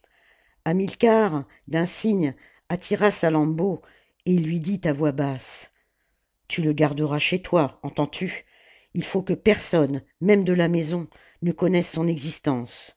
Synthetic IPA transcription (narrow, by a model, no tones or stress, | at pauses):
amilkaʁ | d̪ɛ̃siɲ | at̪ʰiʁasalɑ̃bo | eilːɥid̪it̪avwabas | t̪yləɡaʁd̪əʁaʃet̪waɑ̃t̪ɑ̃t̪ʰy | ilfokəpɛʁsɔnmɛmd̪əlamɛzɔ̃ | nəkɔnɛsːɔ̃nɛɡzist̪ɑ̃s